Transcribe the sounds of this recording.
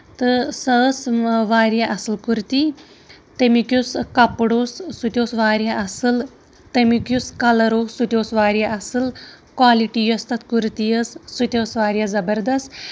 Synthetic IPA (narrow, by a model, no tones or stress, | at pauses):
t̪ɨsɐsʋaːɾjaʔɐsɨlkuɾt̪i | t̪emikjuskɐpɽoːsːut̪ʲjoːsʋaːɾjɐʔɐsɨl | t̪ɐmikuskɐlɐɾoːsut̪ʲjoːsʋaːɾjɐʔɐsɨl | kwaːliʈijost̪ɐt̪ʰkuɾt̪ijɐssut̪ʲoːsʋaːɾjɐzɐbɐɾd̪ɐst̪